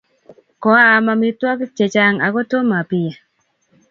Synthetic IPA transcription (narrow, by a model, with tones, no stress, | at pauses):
kɔ˨˦a˨ma˧mi˦twɔ˦kt͡ʃe˨t͡ʃa˦ŋa˨kɔ˦to˦ma˨pi˨ja˨